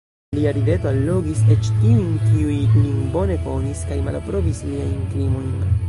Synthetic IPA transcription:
liaɾide̞toalːo̞ɡiset͡ʃtiunkiujninbo̞ne̞ko̞niskajma̰lpɾo̞visliajnkɾimo̞jn

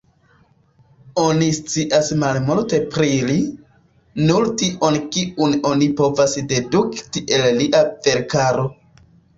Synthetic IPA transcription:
onist͡siʔasmalmulte̞pɾili | nuɾtiʔo̞nkiʔuno̞nipo̞vasde̞duktiʔe̞lliʔav̥e̞ɾkaɾo̞

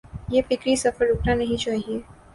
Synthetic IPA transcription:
jefɪkɾisɐfəɾʊkʰnanɐɦĩt͡ʃaːɦie

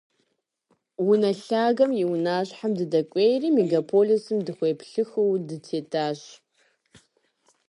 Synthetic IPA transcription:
wʊnaɬaːɡɐmjiwnaːʑħamdɨdɐkʷʼejriːmeɡapʰolisɨmdɨχʷejpʰɬɨxɨwdɨtʰeːtʰaːɕ

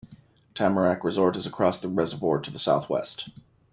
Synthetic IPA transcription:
tʰæmə˞ækɹɨzɔɹɾɨzɨkʰɹ̥ɔsðəɹɛzə˞vɔɹtʰɨðəsaʊθwɛ̰st

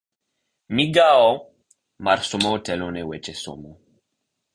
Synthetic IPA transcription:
miɡao | maɾsomootɛlonewɛt͡ʃeso̰mo

